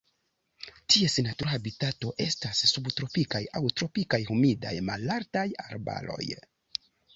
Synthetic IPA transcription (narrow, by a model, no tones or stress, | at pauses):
tie̞senatuɾɦabitato̞ʔe̞stasːubtɾo̞pikajawtɾo̞pikajhumida̰jma̰laɾtajaɾba̰lo̞̰j